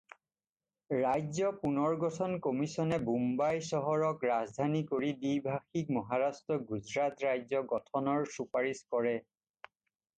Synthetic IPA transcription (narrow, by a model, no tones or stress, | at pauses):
ɹajzɔpunɔɹɡɔtʰɔnkomisɔnɛbumbajsɔɦɔɹɔkɹazdʱanikoɹidijbʱaxik̚mɔɦaɹastɹɔɡuzɹatɹajzɔɡɔtʰɔnɔɹsupaɹiskɔɹɛ